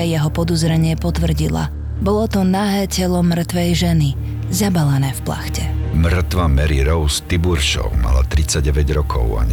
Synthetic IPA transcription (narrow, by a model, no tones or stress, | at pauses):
ajɛɦɔpɔd̪ɔzɾɛɲɪɛpɔt̪ʋr̩ɟila̰ | bɔlɔt̪ɔnaːɦɛːcɛlɔmr̩t̪ʋɛjʒɛni | zabalanɛːfpla̰xcɛmr̩t̪ʋamɛɾiɾɔʊst̪ibuɾʃɔ̰ʊma̰lat̪ɾit͡saɟɛʋɛɟɾɔkʰɔ̰ʊa̰ɲ